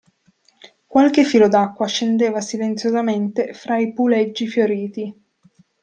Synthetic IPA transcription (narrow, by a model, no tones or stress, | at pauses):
kwalk̟efːiːlod̪akːwaʃend̪eːvasilent̪sjozament̪efɾaipulɛd͡ʒːifjoɾiːt̪i